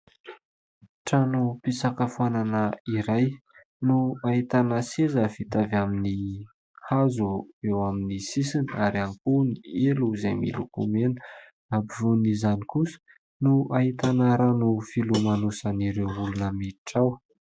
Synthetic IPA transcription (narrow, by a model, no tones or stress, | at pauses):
ʈ͡ʂanupisakəfananəiɾaj | nuait̪anəsezəvit̪avamini | hazuewaminisisiniaɾankunieluzajmḭlukumenə | abivunizanikusə̥ | nuaɦit̪anaɾanufilumanusaniɾewulunəmeʈ͡ʂaw